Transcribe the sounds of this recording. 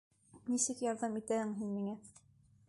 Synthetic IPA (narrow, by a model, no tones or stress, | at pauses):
nisɘkjɑɾðɑmit̪æhɘŋɦinmiŋæ